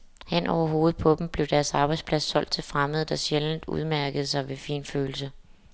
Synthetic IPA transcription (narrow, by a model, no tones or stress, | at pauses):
hen̰ɒʊɐɦo̝ːð̩ˠpʰɒ̽b̥m̩b̥le̝ʊd̥æɐsɑ̈ːb̥ɑ̈ɪdspʰlæsːɒ̽l̰d̥̚t͡sʰe̝lfʁaməð̞̩ˠd̥ɑ̈ɕeln̩d̥ṵð̞ˠmæɐɡ̥əð̞ˠsɑ̈ɪʋe̝fḭːnføːl̩sə